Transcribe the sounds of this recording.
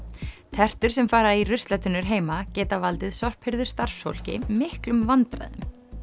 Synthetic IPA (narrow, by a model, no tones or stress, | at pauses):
t̪ʰɛr̥t̪ʏɾ̥sɛmfaːɾairʏst̪lɛt̪ʏnʏɾ̥ɦeːjmacɛːt̪avalt̪ɪðsɔr̥phɪɾðʏɾ̥st̪ar̥fsfo̰wl̥cɪ̰mɪhklʏmvant̪ɾa̰jðʏ̰m